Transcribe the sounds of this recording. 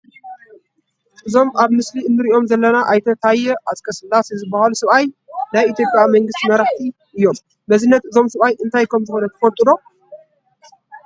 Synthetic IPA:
ʔɨzo̞maβmɨsliɨnːɨɾiʔo̞mzɐlːɐnaʔajt̪ʰɐt̪ʰajːɛʔazkʰɐsɨlːasezɨbːahalusɨβaj | najit̪ʰjo̞pʼjamɐŋɡɨst̪imɐɾaxt̪ʰi | ʔɨjːo̞m | bɐzɨnːɐt̪ɨzo̞msɨβajʔɨnt̪ʰajkʰɐmzɨxo̞nɐt̪ʰɐfɐlt̪ʼɨd̪o̞

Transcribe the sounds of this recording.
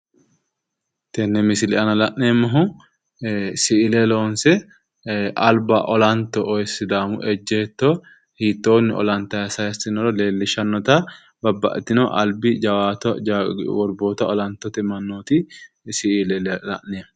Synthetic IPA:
t̪ɛnːɛmɪsɪlɪʔɐnɐlɐʔneːmːɐɦʊ | sɪʔɪlɛlo̞ːnsɛ | ʔɐlbɐʔɔlɐnt̪ːɔʔjsːɪd̪aːmʊ̰ʔɛd͡ʒːɛːt̪ːo | hiːt̪ːo̞ːnːɪɔ̰lɐnt̪ːɐjɐsɐjɛsɪnɔɾɔle̞ːlːɪʃɐnːɔt̪ɐ | bɐbːɐ̰ʔt̪ːɪnɔʔɐlbɪd͡ʒɐwaːt̪ | wɔɾboːt̪ɐɔlɐnt̪ːɔt̪ɪmɐnːoːt̪ɪ | sɪɪlɛlɐ̰ʔneːm

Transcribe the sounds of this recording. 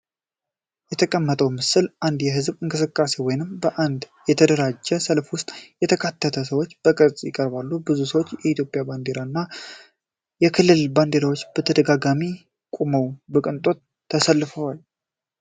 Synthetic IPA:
jɛt̪ʰəkʼəmːət̪ʼəwmɨsɨlʔand̪jɛɦɨzbɨŋkʼɨsɨkʼːase̞wɔjnɨmbəʔand̪ | jɛt̪ʰəd̪əɾad͡ʒːɛsəlfwʊst̪ʼjɛt̪ʰəkʰat̪ʰːət̪ʰəs̬əwo̞t͡ʃːbəkʼɨɾsʼjɪkʼəɾbalːubɨzusəwo̞t͡ʃːjɛʔit̪ʰjo̞pʼjaband̪e̞ɾanːa | jɛkʰɨlːɨlband̪e̞ɾawo̞t͡ʃːb̥ət̪ʰəd̪əɡaɡami | kʼuməwbəkʼɨnt̪ʼo̞t̪ʰː | əsəlːɨfəwal

